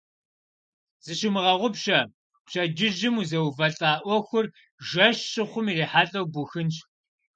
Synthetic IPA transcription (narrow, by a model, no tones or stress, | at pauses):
z̥ɨɕɪmɨʁɐʁʷʊpɕɐ | pɕɐd͡ʒɪʒɪmuzɐwvɐɬʼaːʔʷɔxʷʊr | ʒɐʃɕʼɨχʷʊmireːħaːɬʼɐwbuxɨnt͡ʃʼ